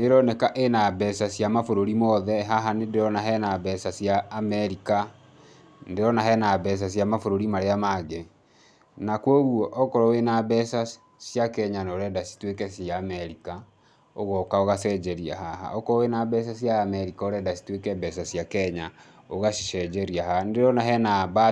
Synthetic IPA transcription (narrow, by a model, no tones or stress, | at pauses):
neɾɔnɛkaʔenabɛsasjamafoɾoɾimɔðɛɦaɦanendeɾɔnaɦɛnabɛsasjaːmɛɾika | ndeɾɔnaɦɛnabɛs̬asjamafoɾoɾimaɾeamaɡe | nakwɔɣwɔʔɔkɔɾɔwenabɛsa | sjakɛɲanoɾɛdasi̥twekɛsaːmɛɾika | oɣɔkaoɣasɛd͡ʒɛɾiaɦaɦa̰ɔkɔɔwenabɛs̬asjaːmɛɾikaoɾɛdasi̥twekɛbɛsasjakɛɲa | oɣaʃiʃɛd͡ʒɛɾiaɦaandeɾɔnaɦɛnaβa